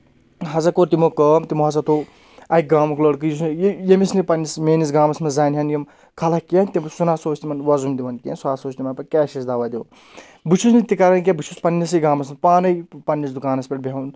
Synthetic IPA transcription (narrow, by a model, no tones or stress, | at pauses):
ɦɐzɐkoːɾt̪imokəːmt̪imuɦɐs̬ɐt̪ʰo | ɐik̚ɡaːmɐkləɽk̬ɨjis̬jjemisnipɐnːismeːnis̬ɡaːmɐsmɐzaːnʲɦʲɐnjɐm | kʰɐlɐkijɐnt̪imsunaːsoːt͡ʃʰnimɐnʋɐzumd̪iʋɐnkʲensuaːsoːt͡ʃʰnimɐnpɐkʲɛːʃɐsd̪aʋɐːd̪iun | but͡ʃʰusnit̪ikɐɾɐnk̬ʲebut͡ʃʰuspɐnːɐs̬ɐɡaːmɐsmɐpaːnɐjpɐnʲːisd̪ukaːnɐspʲeʈ̚bʱʲen